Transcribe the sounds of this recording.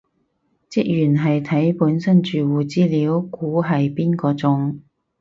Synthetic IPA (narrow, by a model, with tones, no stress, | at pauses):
t͡sɪ˥k̚jyː˨˩nɦɐ˨jt̪ʰɐ˨˥jpuː˨˥nsɐ˥nt͡ʃyː˨wuː˨t͡siː˥liː˨˥wkuː˨˥ɦɐ˨jpiː˥nkɔː˧t͡sʊ˨˥ŋ